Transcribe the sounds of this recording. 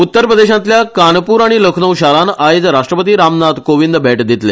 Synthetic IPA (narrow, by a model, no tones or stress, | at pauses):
ut̪ːəɾpɾəd̪eɕãnt̪ljakanpuːɾaɽ̃iləkʰnəwɕaɾanajd͡zɾaʂʈɾəpət̪iːɾamnat̪koʋind̪bʱeʈd̪it̪le